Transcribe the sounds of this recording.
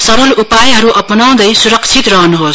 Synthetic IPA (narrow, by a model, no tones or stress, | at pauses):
sʌɾʌlupajɦʌɾuʔʌpnaw̃d̪ʌjsuɾʌkt͡sʰit̪rʌɦʌnuɦos